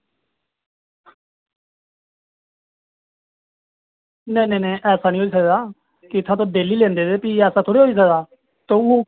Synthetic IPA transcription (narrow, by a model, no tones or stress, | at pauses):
nɛ̃ːnɛ̃ːnɛ̃ːʔɛːsaːnĩːɦoːiːsəkd̪aː | kɪɪt̪ʰːãːt̪̬õːd̪eːliːlɛ̃ːnd̪eːd̪eːpiːɛːsaːt̪ʰoːɽeːɦoːiːs̬əɡd̪aː | t̪õː